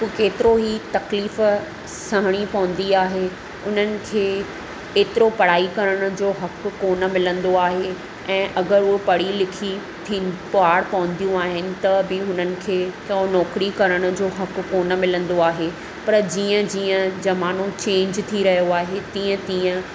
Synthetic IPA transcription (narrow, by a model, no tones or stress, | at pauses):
ukeːt̪ɪɾoɦiːt̪ɐkliːf | sɐɦɽ̃ipɐʋə̃n̆d̪iaːɦe | ʊn̤ənɪ̆kʰeː | eːt̪ɪɾopɐɽ̤aːikɐɾəɽ̃ʊ̆d͡ʑoːɦɐkːoːnə̆mɪlə̃nd̪oaːɦe | ɛ̃ːʔɐɡəɾuepɐɽ̤ilɪkʰi | t̪ʰiːpoaːɽpɐʋə̃nd̪ijũaːɦɪnɪ̆t̪ɐbɪɦʊn̤ənɪ̆kʰeːkɐõnɔːkɾikɐɾəɽ̃ʊ̆d͡ʑoːɦɐkkoːnə̆mɪlə̃nd̪oaːɦe | pɐɾd͡ʑiːə̃d͡ʑiːə̃d͡ʑɐmaːnõt͡ɕẽːɲd͡ʑt̪ʰiɾɐɦijoaːɦet̪ĩːə̃t̪ĩːə̃